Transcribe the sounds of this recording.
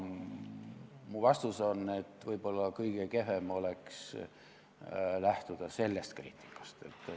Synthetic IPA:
muvɑst̪uso̞ne̞t̪ːˑvɤjb̥o̞lːɑkɤjɡ̥eke̞ɦe̞mo̞le̞ks | læht̪ud̪̥ɑse̞lːe̞st̪krḭːt̪ʲːˑi̥kːˑɑ̥st̪e̞̰t̪ːˑ

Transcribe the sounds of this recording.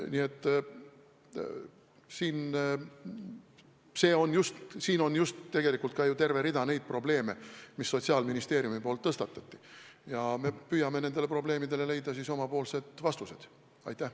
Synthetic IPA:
nie̞t̪ˑː | siːn | se̞ːo̞njust̪siːno̞njust̪t̪ːe̞ɡ̥e̞likult̪̚kɑjut̪e̞rve̞ɾid̪ɑne̞jd̪̥̚pro̞b̥le̞ːme̞misːo̞t̪ʲsiɑːlminist̪e̞ːɾjumipolt̪ːɤst̪ɑt̪ːˑɑ̥t̪ʲːi̥jɑme̞pyjɑme̞nend̪̥e̞le̞pro̞ble̞ːmid̪e̞le̞le̞jd̪̥ɑsiso̞mɑpo̞ːlse̞d̪̥vɑst̪use̞d̪̥ | ɑ̰jt̪ːˑæh

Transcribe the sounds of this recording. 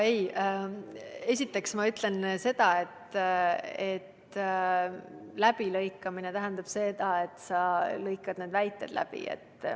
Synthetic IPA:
ej | e̞s̬ʲit̪ːˑe̞ksmɑyt̪le̞nse̞d̪̥ɑe̞t̪ | et̪ | læb̥ilɤjkːˑɑmine̞t̪æɦænd̪̥ɑb̥se̞d̪̥ɑe̞t̪ːˑsɑlɤjkˑːɑd̪̥ned̪væjt̪ːˑe̞d̪̥lʔæ̰b̥ḭḛt̪ːˑ

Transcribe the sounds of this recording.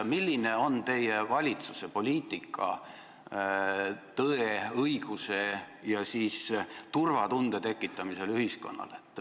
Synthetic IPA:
milʲːine̞o̞nt̪e̞jevɑlʲit̪suse̞po̞lʲiːt̪ːˑikʰːˑɑ̰ | t̪ɤeɤiɡ̥use̞ | jɑsiːst̪urvɑt̪und̪̥e̞t̪e̞kːˑit̪ːˑɑmise̞lyhisko̞̰nːɑ̰let̪ːˑ

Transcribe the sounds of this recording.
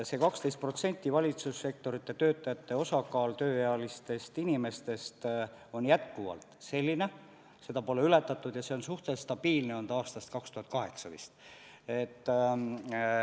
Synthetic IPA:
se̞kɑkst̪est̪pro̞t̪se̞nʲt̪ˑːivɑlʲit̪susːe̞k̚t̪o̞ɾit̪ːe̞t̪ø̞ːt̪ːˑɑjɑt̪ːe̞o̞sɑkɑːlt̪øːjeɑlist̪e̞st̪inime̞st̪e̞st̪ | o̞njæt̪̚kuvɑ̰lt̪ˑse̞lʲːine̞ | se̞d̪̥ɑpo̞le̞yle̞t̪ːˑɑt̪ːˑud̪̥jɑseonsuht̪est̪ɑb̥iːlne̞o̞nt̪ɑɑːst̪ɑst̪̚kɑkst̪uhɑt̪̚ˑkɑɦe̞ksɑvḭst̪ | et̪ː

